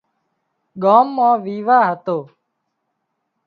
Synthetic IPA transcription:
ɠaːmːãːʋiːʋaːɦət̪oː

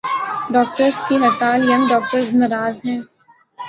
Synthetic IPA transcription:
ɖɔːk̚ʈəɾskiɦɐt̪aːljɐnɖɔːk̚ʈəɾznɐɾaːzɦɛ̃ː

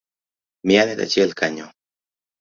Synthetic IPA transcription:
mianet̪a̰t͡ʃielkaɲo

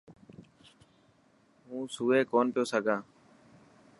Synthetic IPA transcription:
ɦũːsuːeːkoːnpjoːsəɡʱãː

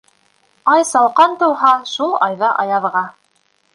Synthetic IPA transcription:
ɑjsɑlˠqɑnt̪ɤ̆wˠɦɑʃulˠɑjðɑʔɑjɑðʁɑ

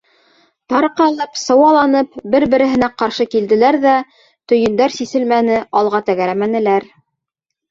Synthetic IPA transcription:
t̪ɑɾqɑlˠɤpsɤ̆wɑlˠɑnɤpbɘɾbɘ̆ɾɘ̆ɦɘ̆næqɑɾʃɤkild̪ɘ̆læɾðæ | t̪ɵ̆jɘ̆nd̪æɾsisɘlmænɘʔɑlˠʁɑt̪æɣæɾæmænɘ̆læɾ

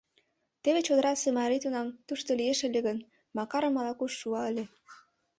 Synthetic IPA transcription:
t̪eβet͡ɕod̪əɾɑsemɑɾit̪unɑmt̪uʃt̪olijeʃĕlʲeɣən | mɑkɑɾə̆mɑlɑkuʃːuɑəlʲe

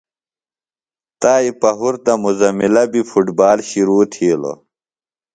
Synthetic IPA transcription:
t̪aːipɐɦuɾt̪ɐmuzɐmilɐbifʰuʈbaːlɕiɾuːt̪ʰiːlo̰

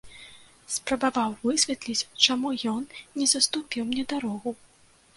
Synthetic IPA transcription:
spɾɐbavawvɨsʲvʲɛt̪lʲit͡sʲt͡ʂamujɔnnʲɛzɐst̪upʲiwmnʲɛd̪aɾɔɣu

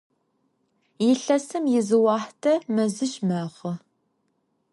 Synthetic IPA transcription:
jɪɬɐsɨmjɪzɨwɑːħtʰɐmɐzɨɕmɐʁə

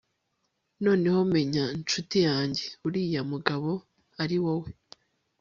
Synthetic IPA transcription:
no̞ːne̞home̞ɲaint͡ʃutijaːɲɟeuɾijamuɡaβo̞ | aɾiwowe

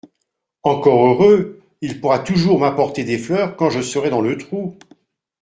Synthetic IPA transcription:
ɑ̃kɔʁøʁø | ilpuʁat̪uʒuʁmapɔʁt̪ed̪eflœʁkɑ̃ʒəsəʁɛd̪ɑ̃lət̪χu

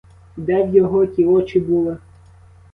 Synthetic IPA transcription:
d̪ɛwjɔɦɔkʲiɔt͡ʃibulˠɪ

